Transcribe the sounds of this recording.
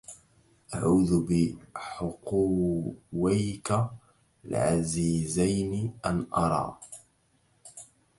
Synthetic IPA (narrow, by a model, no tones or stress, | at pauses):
ʔaʕuːðbɪħʊqu | wajka | lʕa̰ziːzajnɪʔanʔɑɾˤɑ̰ː